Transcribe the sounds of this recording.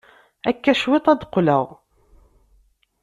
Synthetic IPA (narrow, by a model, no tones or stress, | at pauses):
ækːæʃwɪt̪ˤæd̪qləʁ